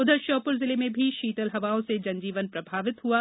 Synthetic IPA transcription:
ʊd̪ʱəʃɔːpʊɾzɪlemẽbʱiʃiːt̪əlɦɐʋaːõsed͡ʒɐ̃nd͡ʒiːʋənpɾɐbʱaːʋɪt̪ɦuaː

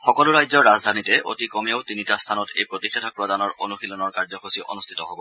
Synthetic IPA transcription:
xɔkɔlʊɹajzɔɹːazd̪ʱanitɛo̰tikɔmiowtinitast̪ʰanɔtʰḛjpɹotixɛtʰɔkpɹɔdanɔɹʔo̰nuxilɔnɔɹkaɹzɔxosiʔo̰nust̪ʰi̥tɔɦobɔ

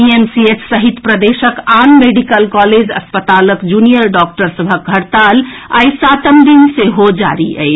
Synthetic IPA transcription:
iemsiet͡ʃʰsəɦit̪pɾəd̪esəkanmeɖikəlkɔled͡ʒə̰spət̪aləkd͡ʒunijəɾɖɔk̚ʈəɾsəbʱək̚ɡʱəɾt̪ala̰jsat̪əmd̪inseɦod͡ʒa̰ɾiʔə̰ɪt͡ʃʰ

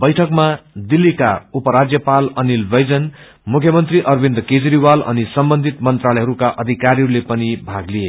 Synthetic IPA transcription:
bʌjʈʰʌkmad̪ilːikaupʌɾad͡zjʌpalʌnilbʌjd͡zʌn | mukʰjʌmʌnt̪riʔʌrbind̪ked͡zɾiwalʌ̰nisʌmbʌnd̪ʱit̪mʌnt̪ralʌjɦʌɾukaʔʌd̪ʱikaɾiɦʌɾulepʌnibʱaɡlie

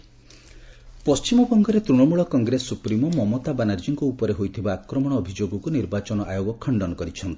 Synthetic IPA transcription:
pɔst͡ʃimɔbɔŋɡɔɾet̪ɾuɽ̃ɔmuɭɔkɔŋɡɾesupɾimɔmɔmot̪abanaɾd͡ʒiŋkuupɔɾeɦojt̪ʰibaːkɾɔmɔɽ̃ɔːbʱid͡ʒoɡɔkuniɾbat͡ʃɔnɔʔajoɡɔkʰɔɳɖɔnɔkɔɾit͡ʃʰɔnt̪i̥

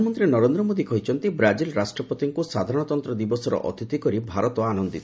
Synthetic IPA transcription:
mɔnt̪ɾinɔɾend̪ɾɔmod̪ikɔɦit͡ʃʰɔnt̪ibɾad͡ʒilɾasʈɾɔpɔt̪iŋkusad̪ʱaɾɔɽ̃ɔt̪ɔnt̪ɾɔd̪ibɔsɔɾɔ̰ʔɔ̰t̪it̪ikɔɾibʱaɾɔt̪ɔanɔnd̪it̪ʰɔ

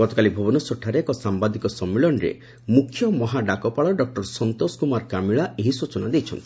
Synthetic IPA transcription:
ɡɔt̪ɔkalibʱɔbɔnɔsoʈʰaɾekɔsambad̪ikɔsɔmːeɭɔnɾḛ | mukʰːjɔmɔɦaɖakɔpaɭɔɖɔk̚ʈɔɾsɔnt̪oskumaɾkamiɭaʔeɦisot͡ʃɔnad̪ejt͡ʃʰɔnt̪ʰii̥

